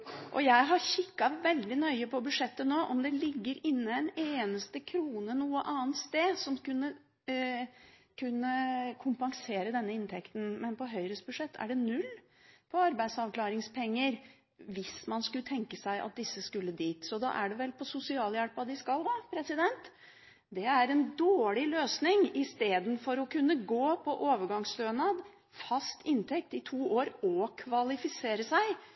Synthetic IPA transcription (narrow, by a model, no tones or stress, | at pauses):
ʔɔ̰jæɪɦɑɕɪkːɑʋɛld̪ɪnœʏəpʰɔbʉʂɛt̪ːənoːʔɔmd̪ɛlɪɡːəɾɪnːəɛneːnəst̪əkʰɾuːnənuːəʔɑːnt̪st̪eːsɔmkʉnːə | kʰʉnːəkʰʊmpɑŋseːɾəd̪ɛnːəɪnt̪ʰɛkt̪n̩mɛnpɔɦœʏɾəst̪bʉd̪ʂɛt̪ʰːæ̰ɖɛnʉlː | pʰɔɑɾbæɪd̪sɑʋklɑːɾɪŋspʰɛŋːəɾ | ʋɪsmɑnskʉlət̪ʰɛŋkəsæɪʔɑ̰t̪̚d̪ɪsːəskʉlːəd̪iːt̪sɔd̪ɑ̰ʔæɖɛʋɛlpʰɔsʊsɪɑːljæɽpɑd̪ɪskɑlʋɑːpʰɾɛsɪd̪ɛnt̪ | d̪ɛæɾɛnd̪oːɭɪløːsnɪŋɪst̪eːd̪ən̩fɔɾɔkʉnːəɡoːpʰɔʔoːʋəɾɡɑŋsløːnɑd̪ | fɑst̪ɪnt̪ʰɛk̚t̪ɪt̪ʰuːʔoːɾɔkʰʋɑlɪfɪseːɾəsæɪ